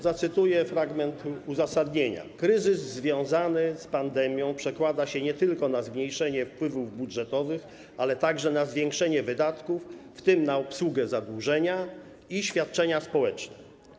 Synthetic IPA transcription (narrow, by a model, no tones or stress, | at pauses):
zat̪sɘt̪ujɛfɾaɡmɛnt̪uzasad̪ɲeɲa̰kɾɘzɘzːvʲjɔ̃w̃zanɘspand̪ɛmʲjɔ̃w̃pʂɛkwad̪aɕɛɲɛt̪ɘlkɔnazmɲejʂɛɲɛfpwɘvuvbudʐɛt̪ɔvɘx | alɛt̪aɡʐɛnazvʲjɛ̃ŋkʂɛɲɛvɘd̪at̪kufː | t̪ɘmnaɔpswuɡɛzad̪wuʐɛɲa | iɕfʲjat̪̚t͡ʂɛɲaspɔwɛt͡ʂnɛ